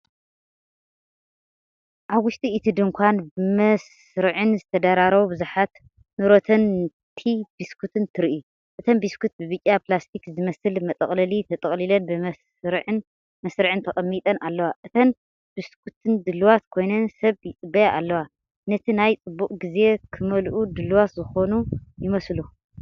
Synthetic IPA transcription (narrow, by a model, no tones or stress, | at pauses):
ʔaβwʊʃt̪ʼiːt̪ʰɨd̪ɨŋkʷʰanbɨmɐs | ɾɨʕɨnzɨt̪ʰɐd̪aɾaɾɐβubɨzuħat̪ | nɨɾo̞t̪ʰɐn | t̪ʰibiskʰut̪ʰɨnt̪ʰɨɾiʔu | ʔɨt̪ʰɐnbiskʰut̪̚bɨβɨt͡ʃʼːapʰlast̪ʰikzɨmɐsɨlmɐt̪ʼɐχʼlɐlit̪ʰɐt̪ʼɐχʼlilɐnbɨ | ɾʕn | mɐsɾɨʕɨnt̪ʰɐχʼɐmːit̪ʼɐnalːɐwaʔɨt̪ʰɐn | biskʰut̪ʰɨnd̪ɨlːuwat̪kʰo̞jnɐnsɐβjɪt͡sʼɨbɐjaʔalːɐwa | nɐt̪ʰinajt͡sʼɨbːukʼɡize̞kʰɨmɐlʔud̪ɨluwat̪zɨxo̞nujɪmɐslu